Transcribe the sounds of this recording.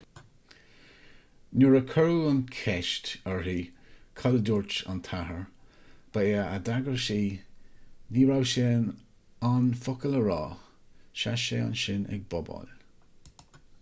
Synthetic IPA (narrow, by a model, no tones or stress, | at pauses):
nuɹəkʰəɹuənkʰɛʃtəɹɦiːkʰɔləduɹt͡ʃa̰nt̪ʰaɦəɹb̥əeːəadaɡəɹʃiː | viːɹawʃen | anfʊkələɹɑː | ʃaʃeːa̰nʃɪnɛ̰ɡ̚bɔbɔ̰l